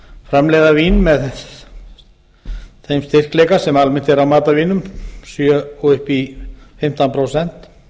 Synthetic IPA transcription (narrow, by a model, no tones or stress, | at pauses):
fɾamlɛːjðaviːnmɛðð | θejmst̪ɪr̥kleːjkasɛmalmɪn̥t̪ɛɾawmaːt̪aviːnʏmsjœɔʏhpifɪm̥t̪anpʰɾowsɛn̥t̪